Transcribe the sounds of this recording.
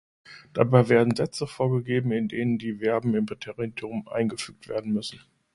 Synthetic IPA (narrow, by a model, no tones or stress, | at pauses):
d̥abaɪveːɐdn̩zɛt͡səfoːɐɡəɡeːbm̩ɪndeːnəndiːvɛɐbm̩ɪmbɪtʰeːʁiiʊmʔa̰ɪnɡəfyːk̚tv̥ḛːɐdn̩mʏsn̩